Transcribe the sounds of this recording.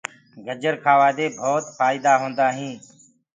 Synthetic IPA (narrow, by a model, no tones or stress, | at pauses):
ɡəd͡ʒəɾkʰaːʋaːd̪eːbʱoːt̪faːɪd̪aːɦõːnd̪aːɦĩː